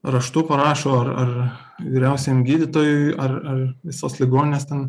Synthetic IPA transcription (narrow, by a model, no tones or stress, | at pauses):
rɐʃt̪uːpɐɾɑːʃoːɐrɐr | ʋʲiːɾʲɛʊsʲɛjɪmɡʲiːd̪ʲɪt̪oːjʊɪɐrɐrʋʲɪsoːslʲɪɡoːnʲɪnʲeːst̪ʲɛn